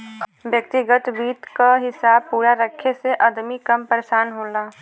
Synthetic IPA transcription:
bjəkt̪iɡət̪biːt̪kaɦɪsaːb̚puːɾaɾəkʰːeseʔɐd̪mikəmpəɾeʃaːnɦõːlaː

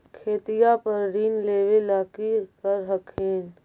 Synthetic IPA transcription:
kʰeːt̪ijapəɾɾiːnleːʋelaːkikəɾɦəkʰeːn

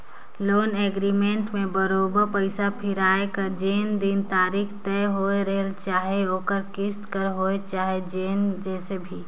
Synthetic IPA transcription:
loːneɡɾimẽɳʈmẽbəɾoːbəɾpəɪsapʰɪɾaːekad͡ʒeːnd̪int̪aːɾikʰt̪ɛɦoeɾəɦelt͡ʃaːɦeoːkəɾkɪst̪kəɾɦoet͡ʃaːɦed͡ʒeːnd͡ʒɛːsebʱi

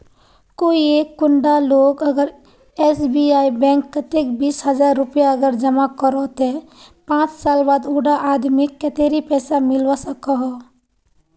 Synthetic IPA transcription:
koːieːkːʊɳɖaloːɡəɡəɾ | esbiaːibɛ̃ŋkːət̪ekbiːsɦəd͡ʒaːɾːʊpjaəɡəɾd͡ʒəmakəɾɔt̪ẽpãːt͡ʃsaːlbaːd̪uːɖaʔaːd̪mikːət̪eːɾipɛːsamɪlʋasəkəɦɔ

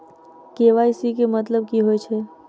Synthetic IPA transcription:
keʋaːjsik̬emət̪ləb̚kiɦojt͡ʃʰe

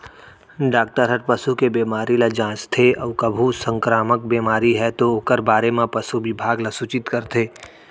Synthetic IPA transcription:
ɖaːk̚ʈəɾɦəʈ̚pɐsukebeːmaːɾilad͡ʒãːst̪ʰeɔːkɐbʱusə̃ŋkɾaːmək̚beːmaːɾiɦɛt̪ooːkəɾbaːɾemãpɐsubɪbʱaːɡlasʊt͡ʃɪt̪kəɾt̪ʰeː

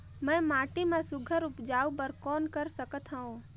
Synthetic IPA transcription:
mɛ̃ːmaːʈimãsʊɡʱəɾʊpd͡ʒaːupəɾkɔːnkəɾsəkət̪ɦə̃õ

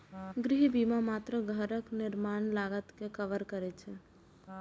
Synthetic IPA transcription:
ɡɾɪɦbiːmamaːt̪ɾəɡʱəɾəknɪɾmaːnlaːɡət̪kekəʋəɾkəɾet͡ʃʰe

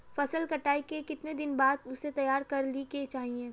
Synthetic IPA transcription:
fɐsəlkɐʈaːikekɪt̪ned̪ɪnbaːd̪ʊset̪ɐjaːɾkɐɾliket͡ʃaːɦieː

